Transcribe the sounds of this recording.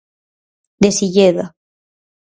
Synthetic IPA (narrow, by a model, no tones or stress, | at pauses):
d̪esiʎeða